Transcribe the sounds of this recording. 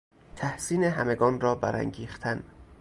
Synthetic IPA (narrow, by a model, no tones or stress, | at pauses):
t̪ʰæhsiːneɦæme̞ɡɒːnrɒːbæ̰ɾæ̰ŋɟiːxt̪ʰæn